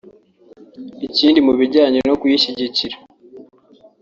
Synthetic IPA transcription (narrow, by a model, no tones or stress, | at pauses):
iciːndimuβiɟaːɲono̞kujiʃiɟiciɾa